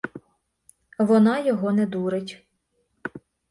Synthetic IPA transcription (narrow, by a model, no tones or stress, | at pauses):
ʋɔnɑjɔɦɔnɛd̪uɾɪtʲ